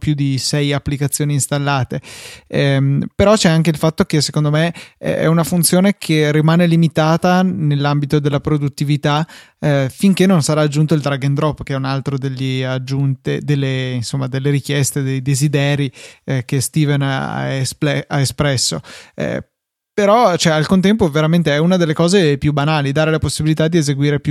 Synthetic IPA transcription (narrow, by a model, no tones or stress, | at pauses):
pjud̪isɛjapːlikat̪sːjoːniːnst̪alːaːt̪eɛmpeɾɔt͡ʃɛaŋk̟eilfat̪ːok̟esekond̪omeɛ̰ɛ̰unafunt̪sjoːnekʰerimaːnelimit̪aːt̪anelːambit̪od̪elːapɾod̪ut̪ːivit̪a | fiŋk̟enːonsaɾaːd͡ʒːunt̪oild̪ɾaɡend̪ɾɔpːk̟ɛunalt̪ɾod̪elːiad͡ʒːunt̪ed̪elːeinsomːad̪elːeɾik̟jɛst̪ed̪ejd̪ezid̪ɛːɾikest̪iːvena̰espɛaespɾɛsːoɛ̰ | peɾɔt͡ʃoɛalkont̪ɛmpoveɾament̪eɛunad̪elːekɔːzepjubanaːlid̪aːɾelaposːibilit̪ad̪ːiezeɡwiːɾepju